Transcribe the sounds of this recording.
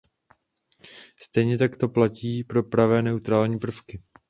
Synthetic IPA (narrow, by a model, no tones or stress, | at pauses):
st̪ɛjɲɛt̪akt̪o̞placiːpɾo̞pɾavɛːnɛut̪ɾaːlɲiːpr̩fkɪ